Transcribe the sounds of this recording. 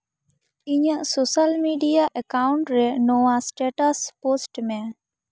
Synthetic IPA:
iɲəsosəlmiɖijaʔəkaʊɳʈɾɛnoasʈeʈəsposʈmɛ̃

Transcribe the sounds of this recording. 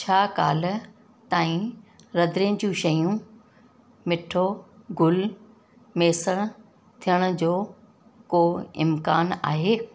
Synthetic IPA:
t͡ɕʰaːkaːl̆ | t̪aːĩ | ɾɐd̪ɾĩd͡ʑũʃɐjũ | mɪʈʰoɡʱʊl | meːsəɽ̃ | t̪ʰijəɽ̃ʊ̆d͡ʑoː | koːɪ̰mkaːna̰ːɦeː

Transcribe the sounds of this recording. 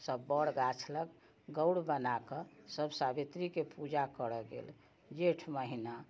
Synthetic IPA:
səbːəɽɡat͡ʃʰlək | ɡəwɽbənakəsəbsabit̪ɾikepud͡ʒakəɽəɡḛl | d͡ʒeʈʰməɦina

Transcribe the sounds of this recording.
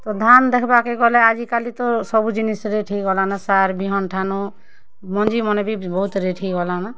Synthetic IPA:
t̪ɔd̪ʱand̪ekʰbakeɡɔɦlɛad͡ʒikalit̪ɔsɔbud͡ʒinisɾeʈʰikɡɔlanasaɾbʱiɦɔnʈʰanu | mɔnd͡ʒimɔnebʱibɔɦut̪ɾeʈʰiɡɔlana

